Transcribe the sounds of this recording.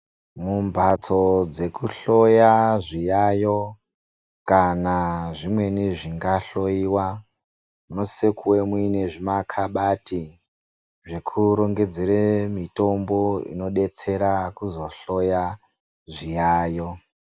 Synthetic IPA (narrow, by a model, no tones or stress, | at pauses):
mumbʱat͡so̞d͡ze̞kuɬo̞jaʐijajo̞ | kanaʐimwe̞niʐiŋɡaɬo̞iːwa | muno̞sekuwemwine̞ʐimakʰaɓati | ʐekʰuɾo̞ŋɡe̞d͡zeɾemito̞mboḭno̞ɗe̞t͡se̞ɾakuzo̞ɬo̞ja | ʐijaːjo̞